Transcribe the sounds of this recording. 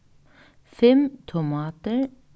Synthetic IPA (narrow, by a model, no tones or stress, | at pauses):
fɛmt̪ʰʊmɑːt̪əɹ